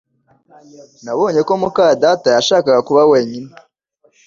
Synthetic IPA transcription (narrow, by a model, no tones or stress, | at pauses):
naβo̞ːɲe̞ko̞mukaːjadatajaʃaːkaɡakuβawe̞ːɲine